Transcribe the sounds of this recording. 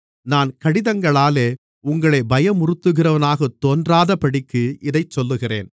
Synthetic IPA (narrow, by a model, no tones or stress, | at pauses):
naːnkɐɽɪðɐŋɡɐɭaːleː | ʊŋɡɐɭɐɪbɐjɐmʊrɯt̪ːɯɣɪrɐʋɐnaːɣɐt̪ːoːndraːðɐpɐɽɪkːɯɪðɐɪt͡ʃsɔlːɯɣɪrḛːn